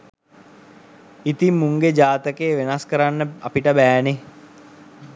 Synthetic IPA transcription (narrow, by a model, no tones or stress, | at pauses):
it̪imːuŋɡed͡ʒaːt̪əkeːʋenaskəɾanːəa̰piʈəbæːne